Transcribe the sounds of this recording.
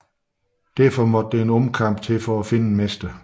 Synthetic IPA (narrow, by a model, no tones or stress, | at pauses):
d̥æɐfɒ̽mɒ̽d̥ədeenɔ̽mkʰɑ̈m̰b̥̚t͡sʰe̝lfɒ̽æfe̝nəmesd̥ə